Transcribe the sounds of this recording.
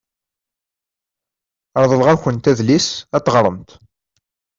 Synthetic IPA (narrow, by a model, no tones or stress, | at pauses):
ɾˤðˤəlʁæçənt̪æðlisæt̪ːʁɾˤəmt̪